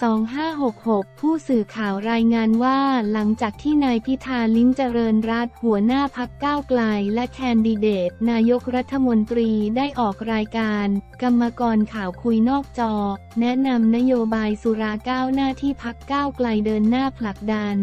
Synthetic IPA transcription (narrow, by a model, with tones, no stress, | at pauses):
sɔː˩˦ŋɦaː˥˩ɦo˨˩k̚ho˨˩k̚pʰːuː˥˩sɯː˨˩kʰaː˨˩wɾaː˧jŋaː˧nwaː˥˩la˩˦ŋt͡ɕaː˨˩k̚t̪ʰiː˥˩naː˧jpʰi˦˥t̪ʰːaː˧li˦˥mt͡ɕa˧ɾɤː˧nɾa˦˥t̪̚hu˨˩˦ɐnaː˥˩pʰa˦˥kːaː˥˩wkla˧jlɛ˦˥kʰɛː˧ndiː˧deː˨˩t̪̚naː˧jo˦˥k̚ɾa˦˥t̪ʰːa˧mo˧nt̪ɾiː˧daː˥˩jʔɔː˨˩k̚ɾaː˧jkaː˧nka˧mːa˧kɔː˧nkʰaː˨˩wkʰu˧jnɔː˥˩k̚t͡ɕɔː˧nɛ˦˥na˧mna˦˥joː˧baː˧jsu˨˩˦ɾaː˧kaː˥˩wnaː˥˩t̪ʰiː˥˩pʰa˦˥kːaː˥˩wkla˧jdɤː˧nːaː˥˩pʰla˨˩k̚da˧n